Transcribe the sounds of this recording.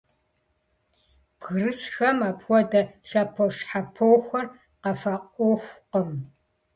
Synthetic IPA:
b̥ɣrɨsxɐmaːpwʷɔdɐɬɐpʰoʂħapʰowxʷɐr | qɐfɐqʷʼowxʷqəm

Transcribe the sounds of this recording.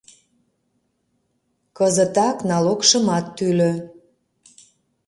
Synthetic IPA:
kəzət̪ɑknɑlokʃəmɑt̪ːylø

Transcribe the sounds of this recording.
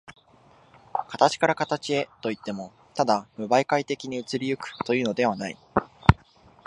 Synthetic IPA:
kat̪at͡ɕi̥kaɾakat̪at͡ɕie̞t̪o̞it̪ːe̞mo̞ | t̪ad̪amɯ̟baikait̪e̞kʲiɲ̟iɯ̟t͡sɨɾʲijɯ̟kɯ̟̥t̪o̞jɯ̟ːno̞d̪e̞β̞anaḭ

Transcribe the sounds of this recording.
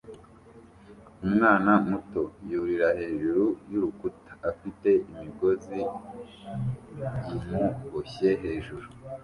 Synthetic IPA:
umŋaːnamuto̞juɾiɾahe̞ːʒuɾujuɾukutḁːfite̞imiɡo̞zi | jimuɡoçe̞ɦe̞ːʒuɾu

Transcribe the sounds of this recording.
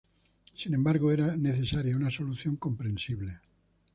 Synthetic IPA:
sinẽ̞mbaɾɣoeɾane̞θe̞saɾjaunaso̞luθjo̞ŋko̞mpɾẽnsiβle

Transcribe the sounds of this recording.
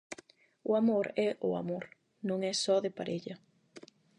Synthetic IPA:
ʊamoɾɛʔʊa̰moɾ | nõŋɛsɔðepaɾeʎɐ

